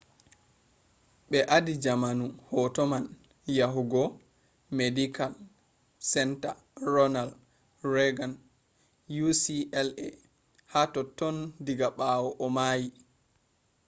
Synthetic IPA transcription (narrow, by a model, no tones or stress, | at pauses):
ɓɛʔadid͡ʒamanuhɔtɔman | jaɦuɡɔ | medikʰal | sɛnta̰ | rɔnal | rɛɡan | jusiʔɛlɛ | hatɔtɔndiɡaɓawɔʔɔmaːji